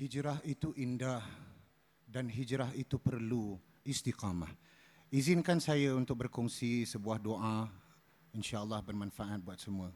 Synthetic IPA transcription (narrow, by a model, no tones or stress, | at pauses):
hid͡ʒɾaɦit̪uʔindah | danɦid͡ʒɾaɦit̪upərlu | ist̪iqama̰h | izinkansajaunt̪ʊk̚bərkɔŋsisəbuahdoʔa | inʃaəlːahbərmãnfaʔat̪̚buat̪̚səmũə